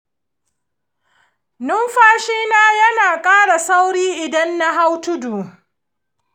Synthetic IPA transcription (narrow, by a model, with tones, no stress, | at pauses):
nʊ˦mɸaː˦ʃiː˦naː˦jɐ˦naː˨kʼaː˦ɽa˨sa˦wɽiː˦ʔɪ˨dɐ˦nːa˦ɦa˦wtʊ˦duː˨